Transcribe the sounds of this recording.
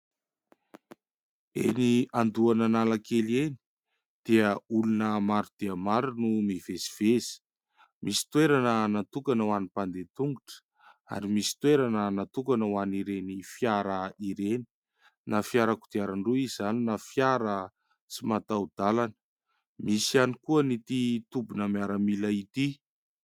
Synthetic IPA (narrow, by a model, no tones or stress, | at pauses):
ḛniand̪uananalakeleni̥ | d̪̥eəulunəmaɾud̪̥eamaɾunumev̥esi̥v̥ez̥i̥ | misi̥t̪weɾanənat̪ukanəwanipand̪et̪uŋɡuʈ͡ʂə̥ | a̰ɾimisi̥t̪weɾanənat̪ukanəwaniɾenifjaɾəiɾeni̥ | nafiaɾəku̥t̪aɾaɳruizaninafjaɾə | t͡simat̪awd̪̥alanə̥ | misianikuənit̪it̪ubunəmiaɾəmilait̪i